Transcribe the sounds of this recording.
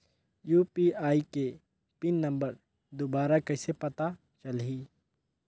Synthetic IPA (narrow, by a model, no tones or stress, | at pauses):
juːpiaːike | pɪnːɐ̃mbəɾ | d̪obaːɾakɛːsepɐt̪a | t͡ʃɐlɦiː